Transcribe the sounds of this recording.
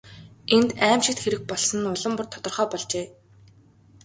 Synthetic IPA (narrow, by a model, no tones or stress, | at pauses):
ent̪æːmʃɪ̆t̪xeɾɘ̆k̚pɔɮsɞ̆nʊɮə̆mpʊ̆rt̪ʰɔ̥t̪ɞ̆rχœːpɔɮt͡ɕeː